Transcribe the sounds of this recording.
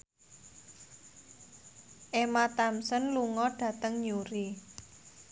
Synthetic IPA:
ʔemat̪amsənluŋɔɖ̥ä̤t̪əŋɲuɾi

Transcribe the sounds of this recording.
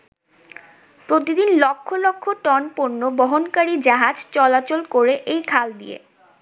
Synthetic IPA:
pɾot̪id̪inlɔkʰːolokʰːoʈɔnpoɾnobɔɦonkaɾid͡ʑaɦad͡ʑt͡ɕɔlat͡ɕolkoɾeʔejkʰald̪ḭḛ

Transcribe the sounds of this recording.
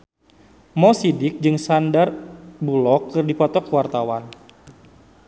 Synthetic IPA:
mɔsidɪk̚d͡ʒɨŋsandarbulɔkːɨrdipɔt̪ɔkəwart̪awan

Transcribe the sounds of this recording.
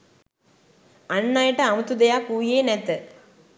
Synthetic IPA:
ɐɳːaːjiʈːɐɐmut̪ud̪ɐjaːkuːjeːnet̪ːɨ

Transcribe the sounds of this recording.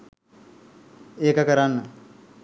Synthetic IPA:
eːkəkəɾanːə

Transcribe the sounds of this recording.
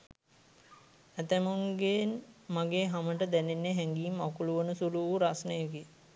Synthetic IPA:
æt̪əmuŋɡenmaɡeːɦaməʈəd̪ænenːeɦɛŋɡiːmakuluʋənəsuluʋuɾasnəjəki

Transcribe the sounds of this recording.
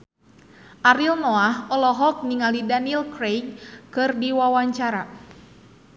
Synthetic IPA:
ʔaɾilnɔaɦɔlɔɦɔk̚niŋalidanilkɾejŋkɨrdiwawaɲt͡ʃaɾa

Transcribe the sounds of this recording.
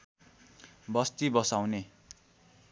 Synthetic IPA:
bʌst̪ibʌsawne

